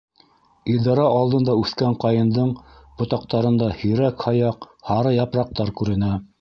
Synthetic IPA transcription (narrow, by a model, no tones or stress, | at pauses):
id̪ɑɾɑɑlˠd̪ɤ̆nd̪ɑʉθkæɴqɑjɤ̆nd̪ɤɴbŏt̪ɑq̚t̪ɑɾɤ̆nd̪ɑhiɾækhɑjɑq | hɑɾɤjɑpɾɑq̚t̪ɑɾkʉɾɘ̆næ